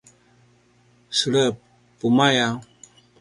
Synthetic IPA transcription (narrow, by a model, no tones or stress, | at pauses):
sələpː | umaja